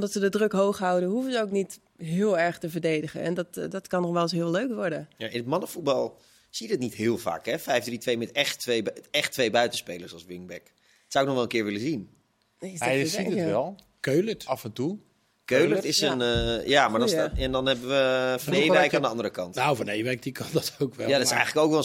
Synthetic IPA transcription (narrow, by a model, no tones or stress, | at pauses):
ɔmdɔtsədədrøkɦowxɦawdəɦufəzəowknit | ɦɪəlˠɛɹxtəvərdejdəɣə̰nɛ̰ndɔtdɔtkɑnɔxʋɛlˠsɦiəlˠløɥkʋɔɹdəjaʔɪnətmɑnəfut̚bɑlˠ | sijədɪtnitɦɪːəlˠva̰ːkɦɛfɛjfdritʋejmɛtɛχtʋeɛxtʋejbœɥtəspeːləɹsɑlˠsʋɪŋbɛk | ətsawɪk̚nɔχxʋɛlˠənkɪːɹʋɪləzin | jsiʋɛlˠ | kølətɑfɛntu | køɥlətɪsənjaːmaɹdɔsɛndɔnɦɛbəʋəfɔnejʋɛjkaːndəɑndəɾəkɑntnafɔnejʋɛjk̚dikʰɑndɔtowkʋɛjadɔtɪsɛ̰jɣənləkowkʋɛ